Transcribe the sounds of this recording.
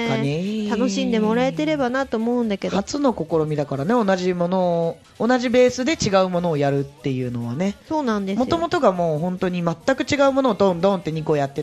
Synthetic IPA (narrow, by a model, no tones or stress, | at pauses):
aet̪ano̞ɕĩnd̪e̞mo̞ɾae̞t̪e̞ɾe̞banat̪oːmo̞ɯ̃nd̪ake̞d̪hat͡sɨno̞ko̞ko̞ɾo̞mʲid̪akaɾane̞o̞naʑimo̞no̞ː | naʑibe̞ːsɨd̪e̞t͡ɕiɡaɯ̟mo̞no̞ːjaɾɯ̟t̪ːe̞jɯ̟ːno̞βa̰ne̞so̞ːnãnd̪emo̞t̪o̞mo̞t̪o̞ɡamo̞ːɦõ̞nt̪o̞ɲ̟imat̪ːakɯ̟t͡ɕiɡaɯ̟mo̞noːd̪õ̞nd̪õ̞nt̪ːe̞ɲ̟iko̞jat̪ːe